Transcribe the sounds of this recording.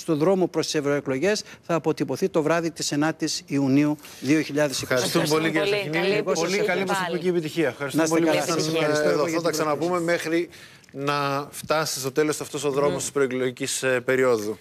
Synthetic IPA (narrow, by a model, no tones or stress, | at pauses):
st̪o̞ðɾo̞mo̞pɾo̞st̪i̥se̞vɾo̞eklo̞ʝe̞sθɐːpo̞t̪ipo̞θit̪o̞vɾɐðit̪isenɐt̪isiuniu | ðio̞çiʎɐðesexɐɾst̪umepo̞liɐinieɣosolikɐlimosopiciepit̪içiɐfxɐɾisnɐsoɐlɐɐsðofot̪ɐksɐnɐpume̞mexɾi | nɐft̪ɐsi̥st̪ot̪e̞lostoɐft̪o̞so̞ðɾo̞most̪ispɾoeklo̞ʝicispe̞ɾio̞ðu